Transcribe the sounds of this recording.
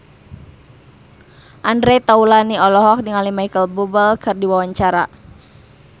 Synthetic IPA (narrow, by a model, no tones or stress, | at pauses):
ʔandɾɛt̪aulaniɔlɔɦɔk̚diŋalimaikəlbubəlkɨrdiwawaɲt͡ʃaɾa